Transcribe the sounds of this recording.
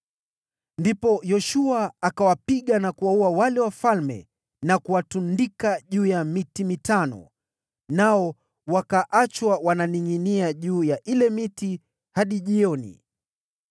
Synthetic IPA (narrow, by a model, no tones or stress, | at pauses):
ndipɔjɔʃuaːkawapiɠanakuwauawalɛwafalmɛ̰ | nakuwatundikaʄuːjamitimitanɔ̰ | naɔ | wakaʔat͡ʃwawananiŋiniaʄuːjaʔilɛmiti | haɗiʄiɔnḭ